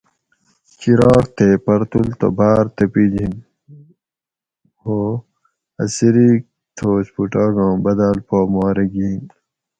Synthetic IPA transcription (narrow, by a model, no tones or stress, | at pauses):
kiɾɑːkt̪ʰeːpɐɾt̪ult̪o̰bʱaːɾt̪ɐpid͡ʑin | hoː | ɐ̰siɾik̚ | t̪ʰoːspuʈaːɡõːbɐd̪aːlpoːmaːɾeɡiːn